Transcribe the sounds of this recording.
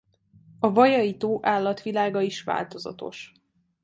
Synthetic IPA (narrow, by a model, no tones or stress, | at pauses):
ɒvɒjɒjit̪oːʔaːlːɒt̪ʋilaːɡɒiʃʋa̰ːlt̪o̞zɒ̰t̪o̞̰ʃ